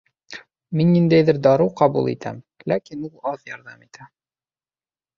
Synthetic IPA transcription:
minːind̪æjðɘɾd̪ɒɾɤqɒbṵlˠḭt̪ʰæ̰m | lækinulˠɑðjɒɾðɑmit̪ʰæ

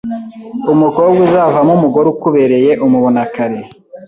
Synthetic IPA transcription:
umukobɡuzavamumuɡo̞ɾukuβe̞ɾe̞je̞ʔumuβonakaɾe̞

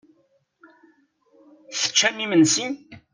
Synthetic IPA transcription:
θə̥t͡ʃːæmimənsin

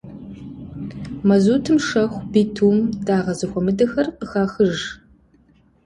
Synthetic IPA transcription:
mɐzuːtʰɨmʂɐxʷbiːtʰuːmdaːʁɐzɨxʷɔmɨdɐxɐrqəxaːxɨʒ

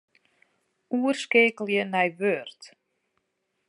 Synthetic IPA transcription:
uərskeːkəl̩ˠjənɛjʋørt

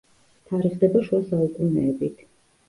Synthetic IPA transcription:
t̪ʰaɾiʁd̪ɛbaʃuasaukʼunɛːbit̪ʰ

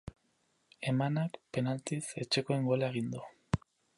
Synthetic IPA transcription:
e̞manakpe̞nalt̪ise̞t͡ʃe̞ko̞e̞ŋɡo̞laeɣ̞ind̪u

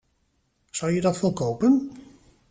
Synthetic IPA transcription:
sawjədɔtforkowpən

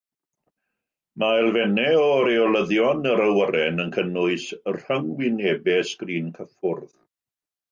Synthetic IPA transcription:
majlˠvɛnɛɔɾeɔləðjɔnəɾəwəɾɛnənkʰənʊɨsər̥əŋwɪnɛːbɛsɡ̥riːnkʰəfʊrð

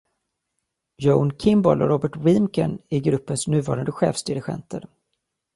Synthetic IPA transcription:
jonkʰɪmbɔlɔɾɔbəʈwɪmkə̰næɾɡɾɵpːənsnʉ̟ːvɑ̰ːɾand̪əɧɛ̰ːfsd̪ɪɾɪɧɛ̰nt̪ʰəɾ

